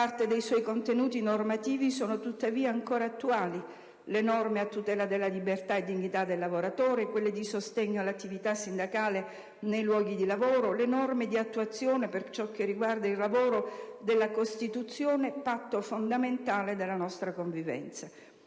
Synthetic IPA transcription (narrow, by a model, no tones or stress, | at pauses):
part̪ed̪ejswɔjkont̪enuːt̪inormat̪iːvisoːnot̪ut̪ːaviːaːŋkoːɾaːt̪ːuaːli | lenɔrmeat̪ːut̪ɛːlad̪elːalibert̪aed̪ːiɲːit̪ad̪elːavoɾat̪oːɾekwelːed̪isost̪eɲːoalːat̪ːivit̪asːind̪akaːle | nejlwɔːɡid̪ilavoːɾolenɔrmed̪iat̪ːuat̪sːjoːnepert͡ʃɔk̟ːerːiɡward̪ailːavoːɾod̪elːakost̪it̪ut̪sːjoːnepat̪ːofond̪ament̪aːled̪elːanɔst̪ɾakoɱvivɛ̰nt̪sa